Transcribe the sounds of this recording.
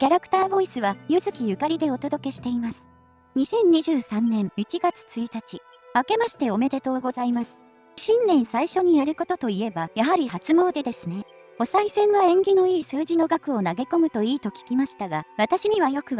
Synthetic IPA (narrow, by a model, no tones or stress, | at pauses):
kʲaɾakɯ̥t̪aːbo̞isɨβajɯ̟zɨkʲijɯ̟kaɾʲid̪e̞o̞t̪o̞d̪o̞ke̞ɕi̥t̪e̞imasɨ̥ | ɲ̟isẽ̞ɲ̟ɲiʑɨːsãnːẽ̞ɰit͡ɕiɡat͡sɨ̥t͡sɨit̪at͡ɕi | ake̞maɕi̥t̪e̞o̞me̞d̪e̞t̪o̞ːɡo̞zaimasɨ̥ | ɕĩnːẽ̞ɰ̃saiɕo̞ɲ̟ijaɾɯ̟ko̞t̪o̞t̪o̞ie̞bajaɦaɾʲihat͡sɨmo̞ːd̪e̞d̪e̞sɨne̞ | o̞saisẽ̞ɰ̃βaẽ̞ŋɡʲino̞iːsɨːʑino̞ɡakɯ̟o̞naɡe̞ko̞mɯ̟t̪o̞iːt̪o̞kʲi̥kʲimaɕi̥t̪aɡaβat̪aɕiɲ̟iβajo̞kɯ̟β